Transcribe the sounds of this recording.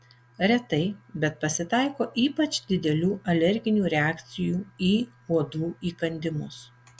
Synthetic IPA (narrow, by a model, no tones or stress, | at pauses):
ɾʲɛt̪ɐɪbʲɛt̪̚pɐsʲɪt̪ɑˑɪkoːʔiːpɐt͡ʃd̪ʲɪd̪ʲɛlʲuːʔɐlʲɛɾʲɡʲɪnʲuːɾʲɛæːkt̪sʲɪjuːiː | uɔd̪uːiːkɐnʲd̪ʲɪmʊs